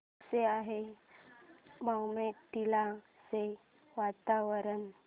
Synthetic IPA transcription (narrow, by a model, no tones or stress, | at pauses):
seaɦe | mawmet̪ila | se | ʋat̪aʋəɾən